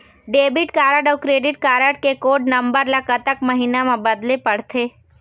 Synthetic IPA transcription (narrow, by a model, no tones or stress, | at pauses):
ɖeːbɪʈkaːɾəɖɔːɾkɾeːɖɪʈkaːɾəʈ̚kekoːɖnɐ̃mbəɾlakət̪əkmɐɦinamãbɐd̪lepɐɽ̤t̪ʰeː